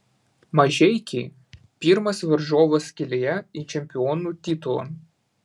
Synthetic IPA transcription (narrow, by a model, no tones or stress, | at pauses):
mɐʒʲɛɪkʲɛ | pʲiɾmɐsʋɐɾʒoːʋɐskʲɪlʲejɛit͡ʃʲɛmʲpʲɪɔːnuːˑt̪ʲit̪ʊlˠo̰n